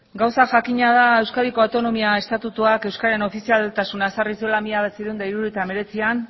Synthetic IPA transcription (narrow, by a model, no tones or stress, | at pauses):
ɡawsaʝakiɲað̞ae̞wskaðiko̞awt̪o̞no̞miae̞st̪at̪ut̪uake̞wskaɾe̞no̞fisialt̪asunasaris̬io̞lamiaβesiðuund̪aiɾuɾuet̪ame̞ɾe̞t͡sian